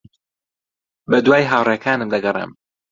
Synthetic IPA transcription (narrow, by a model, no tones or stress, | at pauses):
bɐd̪waːjɦaːwreːkʰaːnɨmd̪ɐɡɐrḛm